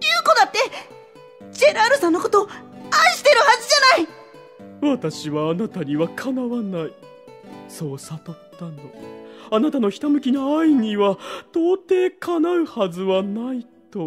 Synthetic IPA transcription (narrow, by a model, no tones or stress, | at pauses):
jɯ̟ːko̞d̪at̪ːe̞ | d͡ʑe̞ɾaɾɯ̟sãnːokot̪o̞ːãɕi̥t̪e̞ɾɯ̟hazɨʑanai | βat̪aɕiβaːnat̪aɲ̟iβakʰanaβanai | so̞ːsat̪ot̪ːãnd̪oanat̪ano̞çi̥t̪amɯ̟kʲinaaiɲ̟iβat̪o̞ːt̪e̞ːkʰanaɯ̟hazɨβanait̪o̞